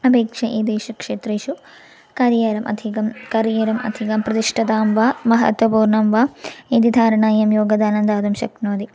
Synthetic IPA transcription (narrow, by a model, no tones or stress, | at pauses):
ɐbeːkʂɐʔeːd̪eːʃukʂeːt̪reːʃu | kaːɾjɐɾɐmʔɐ̰d̪ʱikɐmkɐɾjɐɾɐmɐ̰d̪ʱikɐmprɐt̪iʂʈʰɐt̪aːmʋaːmɐɦɐ̰t̪ʋɐpuːɾɳɐmʋaːeːd̪id̪ʱaːɾɐɳaːjɐmjoːɡɐd̪aːnɐnd̪aːd̪umɕɐknoːd̪i